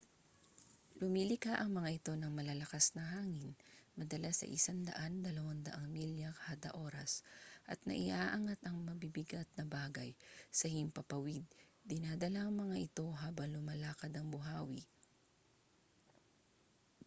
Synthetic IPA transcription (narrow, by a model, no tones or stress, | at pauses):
lʊmilɪkaʔɐŋmɐŋaʔɪt̪o̞nɐŋmɐlalɐkasnɐɦaːŋɪnmɐd̪ɐlasɐ̰ʔɪ̰saŋd̪ɐ̰ʔand̪ɐlɐwaŋd̪ɐ̰ʔaŋmiljɐkhad̪ɐ̰ʔo̞ɾɐsʔɐ̰t̪̚nɐ̰ʔɪʔaːʔaŋat̪ɐŋmɐbibɪɡat̪̚nɐbaːɡɐjsɐhɪmpɐpɐwid̪̚ːɪnaːd̪ɐlaŋmɐŋaʔɪt̪o̞ɦaːbɐŋlʊmɐlaːkɐd̪ɐŋbʊɦaːwi